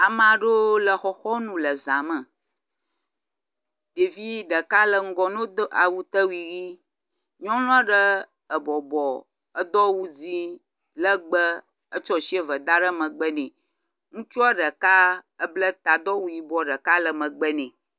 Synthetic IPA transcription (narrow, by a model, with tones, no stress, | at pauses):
a˨mã˨ɖo˦lə˨xɔ˨xɔ˦nũ˨lə˨zã˨mə̃˨ | ɖe˨vi˦ɖə˨ka˦lə˨ŋ̩˦ɡɔ˦nõ˦d̪ʔa̰˨wu˦t̪ə˦wi˨ɣi˦ | ɲɔ̃˦lɔ̃˦ə˦ɖə˦ | ə˨bɔ˨bɔ˨ | ə˦d̪ɔ˦wu˦d͡zi˦ | lə˦ɡ͡bə˦ | ə˦t͡ʃɔ˦si˦ə˨və˨d̪a˦ɖə˦mə̃˨ɡ͡bə˦nɛ̃˨ | ŋũ˦t͡ʃu˦a˦ɖə˨ka˦ə˦blə˦t̪a˨d̪ɔ˦wu˦ji˦bɔ˦ɖə˨ka˦lə˨mə̃˨ɡ͡bə˦nɛ̃˨